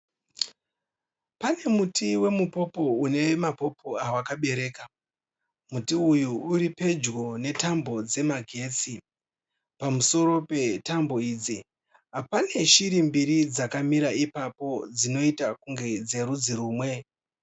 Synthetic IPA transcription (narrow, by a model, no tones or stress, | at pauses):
pane̞mutʰiwe̞mupo̞po̞une̞wemapo̞pʰo̞awakaɓe̞ɾe̞ːka | mutiujuuɾipe̞d͡ʒɡo̞ne̞tambo̞d͡ze̞maɡʱe̞ːt͡si | pamuso̞ɾo̞pe̞tambo̞iːd͡zi | ɦapane̞ʃiɾimbiɾid͡zakamiɾaipapo̞d͡zino̞itakuŋɡe̞d͡ze̞ɾud͡ziruːmwe̞